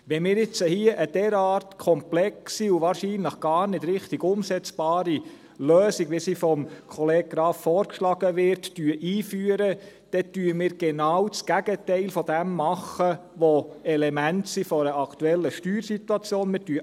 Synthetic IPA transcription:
ʋɛnmɪːɾɪt͡səhiəʔəd̥ɛɾɑːrtkʰɔmplɛksiuʋɑːɾʃiːnləχɡ̥ɑːɾnɪdɾɪχtɪɡʊmsɛt͡sb̥ɑːɾi | løːsiɡ̥ʋisifɔmkʰɔleːɡ̚ɡɾɑːffɔːɾkʃlɑɡəʋɪɾttyəʔiːfyːəɾə | d̥ɛtyːəmɪːɾɡ̥ɛnɑwt͡sɡ̥æɡətɛɪlfɔd̥ɛmːɑχəʋoɛlɛmæntsifɔɾəʔɑktuɛlːəʃtyːɾsit̪uɑt͡sjoːnmɪːɾtyə

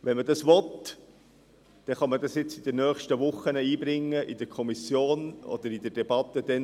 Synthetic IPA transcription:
ʋɛnmədɑsʋɔt̪ | d̪̥ɛχɑmədɑsjɪt͡sid̥̪ənœːχʃtəʋʊχːənəiːbɾɪŋːəʔid̥əkʰɔmisjoːnɔ̰d̥̪əɾid̥əd̥ɛb̥ɑt̪ːəd̥̪ɛn

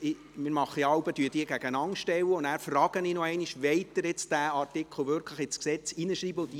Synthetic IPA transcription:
ɪ | mɪːɾmɑχːəɑwbəd̥yəd̥iːɡæɡənɑŋʃtɛwːəʊndæːɾfrɑːɡ̥əninɔɛɪniʃʋeɪtdəɾɪt͡sd̥æɑrtɪkχl̩ˠvʏɾkʰləχɪsksɛt͡sinəʃɾiːbəʊndi

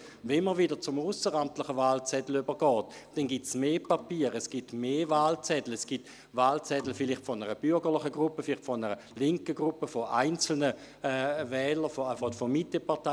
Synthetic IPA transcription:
vɛnməʁʋidət͡sʊmusəʁamtlɪχəvaːlt͡sɛdl̩ybəɡ̥ɔːtd̥ɛnɡitsmeːpapiːəʁɛsɡ̥itmeːvaːlt͡sɛdl̩ɛsɡ̥it | vaːlt͡sɛdl̩fɪlɪχtfɔnəʁəb̥ʏɐɡəʁlˠɪχəɡʁupːəfɪlɪχtfɔnəʁə | lɪŋkəɡʁupːəfoʔaɪnt͡sl̩nə | ɛvɛːləfofodfɔmitəpaɐta

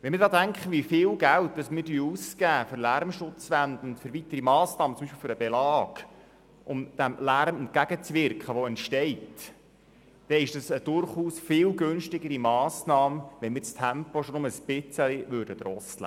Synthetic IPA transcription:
ʋɛnmɪɾdɑːdæŋkχəʋifɪːlɡælt̚d̥ɑsmɪɾtyəuskæːfʏɾlæɾmʃʊt͡sʋænd̪ənʊntfʏɾʋit̪əɾimɑːsnɑːmət͡sʊmbiʃpilfʏɾəbɛlɑːɡ̥ | ʔʊmd̪̥æmlærmɛnt̚kæɡ̥ət͡sʋɪɾkχəʋɔɛntʃtɛɪt | d̥ɛɪʃd̥ɑsəd̥ʊrχuːsfɪːlɡønʃtɪɡəɾimɑːsnɑːmʋɛnmɪːɾt͡stʰæmpɔʃonʊməəsb̥ɪt͡səliʋøɾdəd̪ɾɔstlə̰

